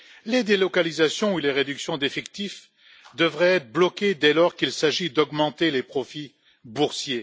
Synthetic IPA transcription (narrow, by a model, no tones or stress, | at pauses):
led̪elɔkalizasjɔ̃uleʁed̪yksjɔ̃d̪efɛkt̪if | d̪əvʁɛɛt̪χblɔkʲed̪ɛlɔʁkilsaʒid̪ɔɡmɑ̃t̪elepχɔfi | buʁsje